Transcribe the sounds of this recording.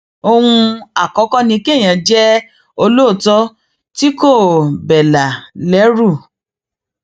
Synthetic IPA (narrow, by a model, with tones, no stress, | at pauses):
o˧hũ˧a˨kɔ˨˦kɔ˦nĩ˧ke˦˨j̃ã˨d͡ʒɛ˦ | o˧lo˦˨tɔ˦ | ti˦ko˦˨bɛ˨la˨lɛ˨˦ɾu˦˨